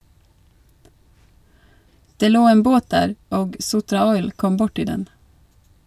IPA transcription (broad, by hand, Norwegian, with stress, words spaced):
ˈdeː ˈloː ˈeːn ˈboːt ˈdæːɾ ˈoːɡ ˈsʊtɾɑˌɔʏl ˈkɔm ˈbʊʈɪ ˈdɛn